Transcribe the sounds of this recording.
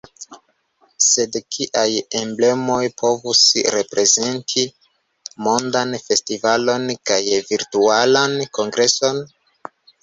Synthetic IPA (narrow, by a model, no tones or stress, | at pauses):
se̞dkʰiʔaje̞mble̞mo̞jpo̞vusɾe̞pɾe̞ze̞ntʰi | mo̞ndanfe̞stivalo̞nkajviɾtualanko̞ŋɡɾe̞so̞n